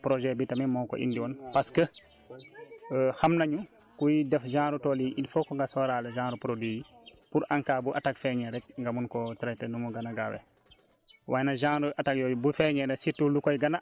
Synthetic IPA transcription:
pɾɔʒɛbitamɛmɔːkɔ̰ʔḭndiwɔnpaskə | xamnaɲu | kujidɛfd͡ʒãːŋɾutɔliʔinfɔkɔŋɡasɔɾalɛʒãːɾupɾodwijipuɾʔaŋkaːbuʔatakfɛɲɛɾɛt̚ŋɡamunkɔtɾɛtɛnuŋuɡanaɡawɛ̰ | wʔaːjɛnaʒãɾuʔatakjɔbufɛɲɛɾɛsitːulukɔjɡana

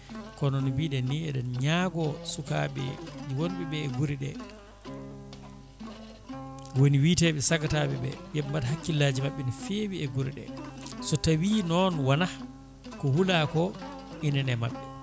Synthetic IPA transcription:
kɔnɔnbiɗɛniɛɗɔnɲaɡɔsuka̰ɓɛ̰d͡ʒiwonɓɛɓɛːɡuɾiɗɛ | woniwitɛɓɛsakataɓɛɓɛ̰jɛmbatɦakːilːaːd͡ʒimaɓːɛnifeːwiɛɡuɾiɗɛ̰sɔtawinɔnwanah | kɔhulakɔʔinɛnɛma̰ɓːɛ

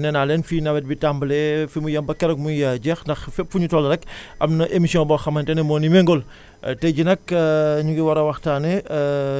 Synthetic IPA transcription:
nɛnaːlɛnfiːnɐwɛt̚bitambəlɛfimujɐmbɐkɛɾɐk̚mujɐɟɛxndɐxfɛpfuɲutɔːlɾɛkʔɐmnɐʔemisijɔ̃bɔːxɐmɐntɛnɛmɔːnimɛŋɡɔl | tɛɟinɐkɲuɡiwɐɾɐwɐxtaːnɛ

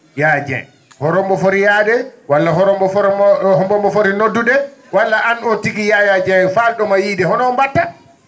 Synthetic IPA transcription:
jad͡ʒɛ̰n | hɔɾɔmbɔfoɾijadɛwalːaɦɔɾɔmbɔhɔmbɔmbɔfoɾinodːudɛwalːaʔanɔtiɡijajad͡ʒɛfaɗɔmajiːdɛhɔnɔːmbatːa

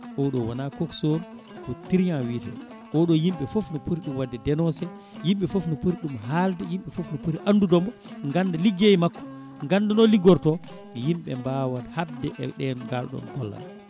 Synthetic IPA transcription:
ʔɔɗɔwanakokson | kɔtiɾjanwiːtɛ̰ | ʔɔɗɔjimɓɛfofnɔpuɾiɗumwadːɛdɛnɔsɛ | jimɓɛfofnɔpuɾiɗumɦaldɛjimɓɛfofnɔpuɾiʔandudɔmbɔ | ŋɡandɛliɡejmakːɔ̥ | ŋɡanːdɛnɔliɡɔɾtɔ | jimɓɛ̰mbawathab̚dɛʔɛɗɛnɡa̰lɗɔ̰nɡ̥ɔ̰lːa̰l

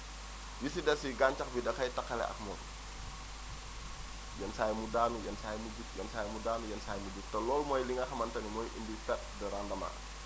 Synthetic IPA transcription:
jisidasiɡaɲt͡ʃak̚bidakait̪akalɛ̰ʔa̰kmɔn | jansajamudanujansajamud͡ʒut̚jansajamudanujansajamud͡ʒut̪əlɔlmuailiŋakamant̪animɔiʔindikat̪̚dəɾandama̰

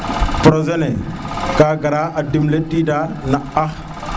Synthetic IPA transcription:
pɾozenekaɡaɾaʔadimletidanaax

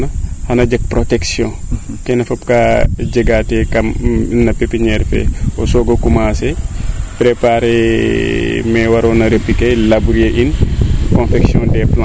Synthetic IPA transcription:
nɐhɐnɐɟɐk̚pɾotɛksjɔ̃kɛnɐfɐpkad͡ʒəɡatɛkɐmnɐpepiɲɛɾfɛ̰ɔsɔːɡɐkumaːsɛpɾepaɾe | mɛwɐɾɔnɐɾepːikelabuɾieʔinkɔ̃nfɛksjɔ̃ːndɛplã

